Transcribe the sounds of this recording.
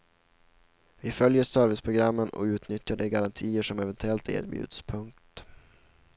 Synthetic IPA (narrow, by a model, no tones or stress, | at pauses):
vɪfœljəʂœːɾvɪspʰɾʊɡɾamːənɔ̰ʉ̟ːt̪nʏt̪jaɖɛɡaɾant̪ʰiːəʂɔmɛvɛnt̪ɵɛlt̪ʰḛːɾbjʉ̰ːd̪̥spʰɵŋk̚t̪